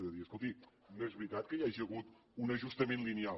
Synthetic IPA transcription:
ðəðiɐskulˠt̪i | noɛzβɾit̪at̪̚kɐiaʒɐɣut̪ | unɐʒust̪ɐmẽnt̪lˠinial

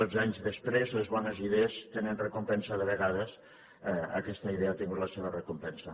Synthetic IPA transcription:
od͡zaɲzðəspɾezləzβɔnəziðeəst̪enənrəkumpɛnsəðəβəɣaðəs | ə̰kɛst̪əiðeat̪iŋɡut̪ləseβərəkumpɛnsə

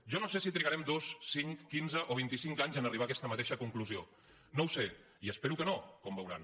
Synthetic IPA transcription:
ʒɔnosesit̪ɾiaɾɛmd̪ossiŋkːinzəʔoβ̞int̪isiŋkaɲzənəriβakɛst̪əmət̪eʃəkuŋkluzio | nowse | iəspeɾukənokɔmbəwɾa̰n

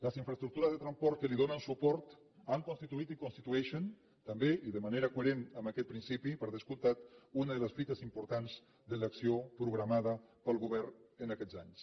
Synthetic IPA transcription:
ləsiɱfɾəst̪ɾuk̚t̪uɾəzðət̪ɾamspɔɾt̪̚kəliðonənsupɔɾt̪ | aŋkonst̪it̪uit̪ikonst̪it̪uɛʃən | t̪əmbeʔiðəmaneɾəkueɾenəmakɛt̪̚pɾinsipipəɾðəskulˠt̪at̪unəðələsfit̪əzimpuɾt̪anz | d̪ələksiopɾuɣɾamaðəpəlˠɣuβɛɾnənakɛd͡zaɲs

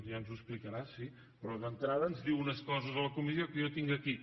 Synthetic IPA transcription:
ʒanzuəsplikəɾasi | pɾɔðənt̪ɾaðəːnzðiwunəskɔzəzələkumizijokəjot̪iŋɡəki

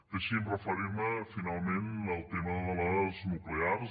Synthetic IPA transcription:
d̪̥əʃimrəfəɾiɾməfinalˠmenəlˠt̪eməððələznukleaɾz

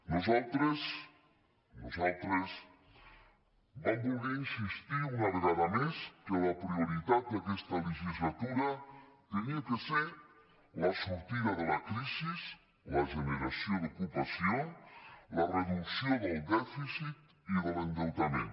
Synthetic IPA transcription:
nuzalˠt̪ɾəz | nuzalˠt̪ɾəs | bambulɣɛinsist̪iunaɾɣaðameskələpɾiuɾit̪at̪̚kakɛst̪ɐləʒizlat̪uɾɐt̪əniakəseɾ | lɐsuɾt̪iðɐðəlɐkɾiziz | lɐʒənəɾasioðukupasjolərəðuksioðəlˠd̪ɛfisit̪̚ | iðələnd̪ewt̪amẽn

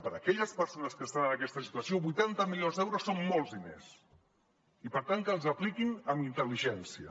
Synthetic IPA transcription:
pəɾəkɛʎəspəɾsonəskəst̪anənəkɛst̪əsi̥t̪uəsioβujt̪ant̪əmiʎonzd̪ɛwɾosːommolˠzðinḛs | ipəɾt̪aŋkəlˠzəplikinəmint̪əliʒɛnsiə̰

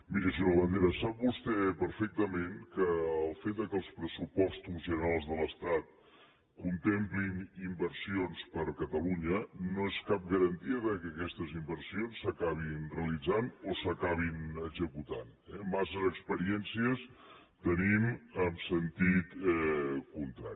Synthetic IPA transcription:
miɾəʃuəβənd̪eɾəsap̚bust̪ɛpəɾfɛk̚t̪əmeŋkəːlˠfet̪̚d̪əkəlˠspɾəsupɔst̪uzʒənəɾalˠzðələst̪at̪̚ | kunt̪emplinimbəɾsionspəɾkət̪əluɲənoeskap̚ɡəɾənt̪iəðəkəkɛst̪əzimbərsionsːəkaβ̞inreəəlid͡zanosəkaβ̞inəɡzəkut̪an | ɛmasəzəkspəɾiɛnsiəs | t̪əniməmsənt̪it̪ɛkunt̪ɾa̰ɾi

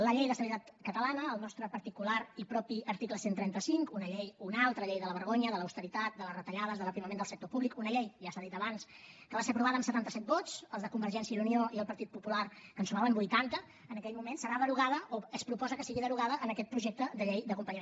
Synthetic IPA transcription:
ləʎejðəsənit̪at̪kət̪əlanəːlˠnɔst̪ɾəpəɾt̪ikulaɾipɾɔpiəɾt̪ikləsent̪ɾɛnt̪əsiŋkunəʎejunalˠt̪ɾəʎejðələβəɾɣoɲəðələwst̪əɾit̪at̪̚d̪ələrət̪əʎað̞əzðəlˠəpɾiməmẽnd̪əlˠsək̚t̪opuβlikunəʎejʒasaðit̪əβans | kəβaseəpɾuβaðəːmsət̪ant̪əsɛt̪̚bot̪t͡səlˠzðəkumbərʒɛnsjiəðunioʔiəlˠpəɾt̪it̪̚pupularkənsumaβəmbujt̪ant̪əː | nəkɛʎmumensəɾaðəɾuɣaðəʔoəspɾupɔzəkəsiɣiðəɾuɣ̞aðəʔənəkɛt̪̚pɾuʒek̚t̪əd̪əʎejd̪əkumpəɲəm

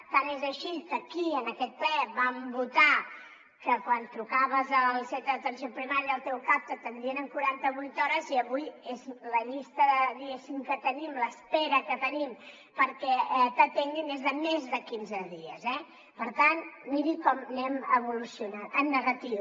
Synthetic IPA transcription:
t̪anezəʃikəkiənəkɛt̪̚plɛβambut̪a | kəkwant̪ɾukaβəzəlˠsɛt̪əðət̪ənsjopɾimaɾiəːlˠt̪ɛwkap̚t̪ət̪ənd̪iənəŋkuɾant̪əβujt̪ɔɾəziəβujezləʎist̪əðəðiɣesimkət̪ənimləspɛɾəkət̪ənim | pəɾkɛɛt̪ət̪eŋɡinezðəmezðəkinzəðiə̰zɛ | pəɾt̪anmiɾikɔmnɛməβulusiunanəmnəɣət̪iw

